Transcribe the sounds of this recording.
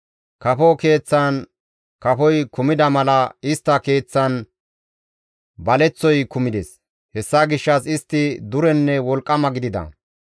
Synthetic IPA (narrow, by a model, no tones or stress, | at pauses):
kɐfɔke̞ːt͡sːɐn | kɐfɔjkʊmɪd̪ɐmɐlɐɪst̪ːɐke̞ːt͡sːɐn | bɐlɛt͡sːɔjkʊmɪd̪ɛs | hɛsːɐɡɪʃːɐsɪst̪ːɪd̪ʊɾɛnːɛwɔlkʼːɐmɐɡɪd̪ɪd̪ɐ̰